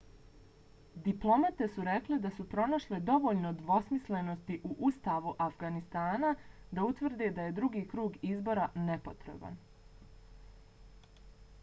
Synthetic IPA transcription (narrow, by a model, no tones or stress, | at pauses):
d̪iplˠo̞mat̪e̞suɾe̞kled̪asupɾo̞naʃled̪o̞ʋo̞ʎnod̪ʋo̞smisle̞no̞st̪iʔuʔust̪aːʋuʔafɡanist̪aːna | d̪aut̪ʋr̩d̪ed̪aje̞d̪ɾuɡiːkɾuːɡizbo̞ɾane̞po̞t̪ɾe̞̰ba̰n